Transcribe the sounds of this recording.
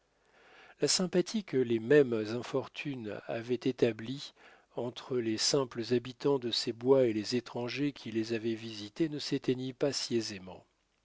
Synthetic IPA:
lasɛ̃pat̪ʰikəlemɛmzɛ̃fɔʁt̪ʰyna̰vɛt̪et̪abli | ɑ̃t̪χəlesɛ̃pləzabit̪ɑ̃d̪əsebwaelezet̪χɑ̃ʒekʲʰilezavɛvizit̪enəset̪enipasiezemɑ̰̃

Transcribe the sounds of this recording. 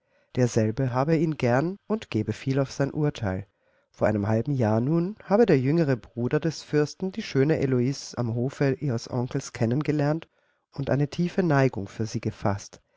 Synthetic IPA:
d̥eːɐzɛlbəɦaːbəiːnɡɛɐnʊntɡ̥eːbəfiːlaʊfz̥aɪnʔuːɐtʰaɪl | foːɐa̰ɪnəmhalbm̩jaːɐnuːnhaːbədeːɐjʏŋəʁ̞əbʁuːdɐdɛsfʏɐstn̩diːʃøːnəʔeloiːsa̰mɦoːfəʔiːʁəsʔɔ̰ŋkl̩skʰɛnənɡəlɛɐnt | ʊntʔa̰ɪnətʰiːfənaɪɡʊŋfyːɐziːɡəfast

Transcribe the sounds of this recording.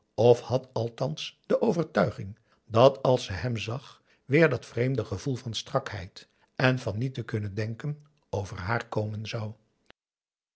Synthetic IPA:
ɔfhɑtɑlˠtɑnsd̥əʔowvərtœɥχɪŋ | dɑtʰɑlˠsəɦɛmzɑχ | ʋɪːɹdɑtfrejmdəχəv̥ulˠvɑnstrɑkhɛ̰jt | ɛnvɑnːitəkɵnəndɛŋkən | owvə̰rɦaːɹkowmənzɑw

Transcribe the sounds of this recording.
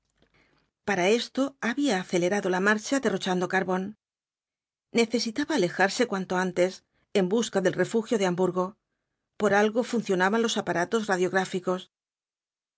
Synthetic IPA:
paɾae̞st̪o̞aβiaːθe̞le̞ɾaðo̞lamaɾt͡ʃaðe̞ro̞t͡ʃand̪o̞kaɾβo̞n | e̞θe̞sit̪aβaːle̞xaɾse̞kwant̪o̞ant̪e̞s | e̞mbuskaðe̞lre̞fuxjo̞ðe̞ambuɾɣo̞ | po̞ɾalɣo̞funθjo̞naβanlo̞sapaɾat̪o̞zraðjo̞ɣɾafiko̞s

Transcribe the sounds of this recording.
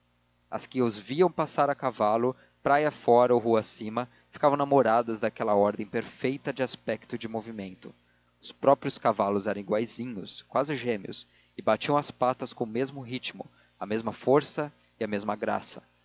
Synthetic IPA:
ɐ̰skɪʊzviɐ̃w̃pasaɾɐkavalʊ | pɾajɐfɔɾɐoɦuasĩmɐ | fi̥kavɐ̃w̃namoɾad̪ɐzd̪akɛlɐɔɾd̪ẽj̃peɾfejt̪ɐd͡ʒɪaspɛk̚t̪ʊd͡ʒɪmovimẽnt̪ʊ | ʊspɾɔpɾijʊskavalʊzɛɾɐ̃w̃iɡwajzĩɲʊskwazɪʒẽmiʊ̰s | ɪbat͡ʃiɐ̃w̃ɐspat̪ɐskõʊmezmʊɦit͡ʃimʊ̰ | ɐmezmɐfoɾsɐ | ɪɐmezmɐɡɾa̰sɐ̥

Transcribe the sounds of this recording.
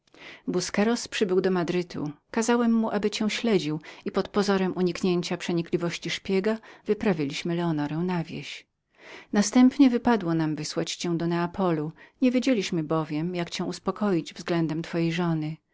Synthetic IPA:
buskɛɾɔspʂɘbɘwd̪ɔmad̪ɾɘt̪ʰṵkazawɛmːuʔabɘt͡ɕɛ̃w̃ɕlɛd͡ʑiwipɔt̪pɔzɔɾɛmʔuɲikɲeɲt͡ɕapʂɛɲiklʲivɔɕt͡ɕiʂpʲjɛɡavɨpɾavʲilʲiɕmɘlɛɔnɔɾɛw̃navʲjḛɕ | nast̪ɛmpɲɛvɘpad̪wɔnamvɘswat͡ɕt͡ɕɛ̃w̃d̪ɔnɛapɔluɲevʲjed͡ʑelʲiɕmɘbɔvʲjɛmjakt͡ɕɛ̃w̃uspɔkɔjid͡ʑvzɡlɛnd̪ɛmt̪fɔjejʐɔnɘ

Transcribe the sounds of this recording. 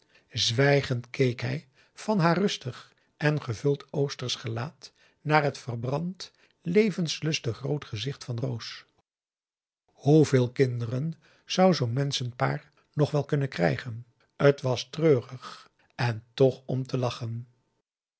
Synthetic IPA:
zʋɛjχəntkʰejkɦɛj | v̥ɑnɦaːrɵstəχ | ʔɛnχəvɵlˠtowstərsχəlaːt | naːrɦətfərbrɑnt | lejvənslɵstəχrowtχəzɪχtfɑnrows | huvɪːlˠkɪndərən | z̥ʌwzownmɛnsənpa̰ːɹ | nɔχʋɛlˠkɵnənkrɛ̰jχən | ətʋɑstrøːrəχ | ɛntɔχɔmtʰəlɑχən

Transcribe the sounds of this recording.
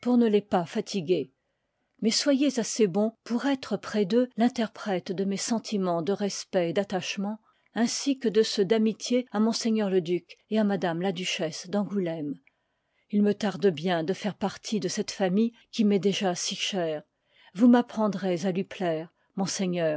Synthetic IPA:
puʁnəlɛpafat̪ʰiɡʲe | mɛswajezasebɔ̃puʁɛt̪χəpχɛd̪ølɛ̃t̪ɛʁpχɛt̪d̪əmɛsɑ̃t̪ʰimɑ̃d̪əʁɛspɛed̪at̪aʃmɑ̃ | ɛ̃sikəd̪əsəd̪amit̪jeamɔ̃seɲœʁləd̪ykeamad̪amlad̪yʃɛsd̪ɑ̃ɡulɛm | ilmət̪aʁd̪əbjɛ̃d̪əfɛʁpaʁt̪ʰid̪əsɛt̪famij | kʲimɛd̪eʒasiʃɛːʁ | vumapχɑ̃d̪ʁezalɥiplɛːʁ | mɔ̃seɲœːʁ

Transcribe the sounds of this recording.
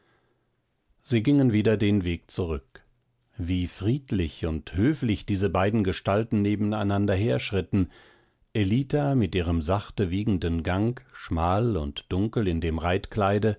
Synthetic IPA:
z̥iːɡɪŋənviːdɐdeːnveːk̚t͡suʁʏk | viːfʁ̥iːtlɪçʊnthøːflɪçd̥iːzəbaɪdn̩ɡəʃtaltn̩neːbm̩aɪnandɐɦeːɐʃʁ̥ɪtn̩ | ʔeliːtamɪtʔiːʁəmzaχtəviːɡŋ̩dənɡaŋkʃmaːlʊ̰ntd̥ʊŋkl̩ɪndeːmʁaɪtklaɪdə

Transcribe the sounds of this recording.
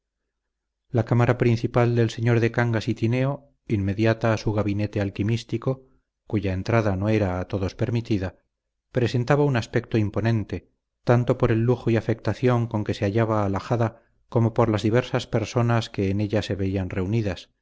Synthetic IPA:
lakamaɾapɾinθipald̪else̞ɲo̞ɾðe̞kaŋɡasit̪ine̞o | inme̞ðjat̪aːsuɣaβine̞t̪e̞alkimist̪iko̞ | kuʝae̞nt̪ɾaðanoe̞ɾaːt̪o̞ðo̞spe̞ɾmit̪iða | pɾe̞se̞nt̪aβaunaspe̞k̚t̪oimpo̞nẽ̞nt̪e̞ | t̪ant̪o̞po̞ɾe̞lːuxoiafe̞k̚t̪aθjo̞ŋko̞ŋke̞se̞aʎaβaːlaxaða | ko̞mo̞po̞ɾlazðiβ̞e̞ɾsaspe̞ɾso̞naske̞ːne̞ʎase̞βe̞ianre̞uniðas

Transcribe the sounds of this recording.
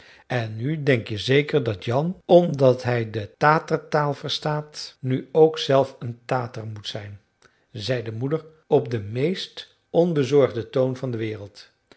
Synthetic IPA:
ɛnːydɛŋkjəzejkəɹdɑtjɑnɔmdɑtɦɛjdətaːtərtaːlˠvəɹstaːtnyowksɛlˠfəntaːtərmutsɛjn | zɛjdəmudəɹ | ɔp̚dəmejst | ɔnbəzɔɹχdətownvɑndəʋɪːrəlˠt

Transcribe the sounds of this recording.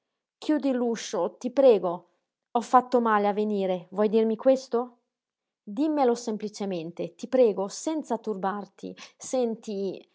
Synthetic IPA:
kjuːd̪ilːuʃːot̪ipɾɛːɡo | ɔfːat̪ːomaːleavːeniːɾevwɔjd̪irmikwest̪o | d̪imːelosemplit͡ʃement̪et̪ipɾɛːɡosɛnt̪sat̪urbart̪ḭsɛnt̪i

